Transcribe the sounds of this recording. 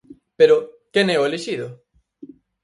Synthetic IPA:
peɾokenɛoeleʃiðo

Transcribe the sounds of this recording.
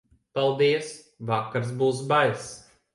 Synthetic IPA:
palˠd̪iɛs | vakːaɾs̬buːs̬bajs

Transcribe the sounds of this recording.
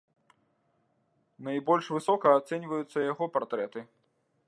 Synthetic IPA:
najbɔlʲʂvɨsɔkɐːt̪sɛnʲvɐjut̪sːɐjaɣɔpart̪ɾɛt̪ɨ

